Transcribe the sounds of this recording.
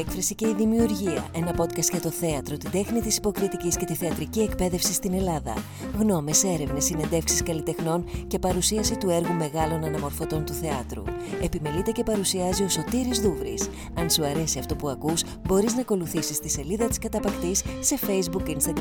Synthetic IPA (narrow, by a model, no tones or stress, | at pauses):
ekfɾɐsice̞iðimiuɾʝiɐ̰ʔe̞nɐpo̞t̪kɐst̪ʝɐt̪o̞θe̞ɐt̪ɾo̞t̪id̪e̞xnit̪isi̥po̞kɾit̪icisce̞t̪iθeɐt̪ɾicie̞kpe̞ðe̞fsist̪ine̞lɐðɐ̰ | ɣno̞me̞se̞ɾe̞vnesːine̞nd̪e̞fksiskɐlit̪e̞xno̞nce̞pɐɾusiɐsit̪ue̞ɾɣume̞ɣɐlo̞nɐnɐmo̞ɾfo̞t̪o̞nt̪uθe̞ɐt̪ɾṵe̞pime̞lit̪e̞ce̞pɐɾusiɐzio̞so̞t̪iɾizðuvɾḭs | ɐnsuɐɾe̞siɐft̪o̞puɐkus | bo̞ɾiznɐko̞luθisist̪ise̞liðɐt̪i̥skɐt̪ɐpɐkt̪isːe̞fe̞jzbukinst̪ɐɡ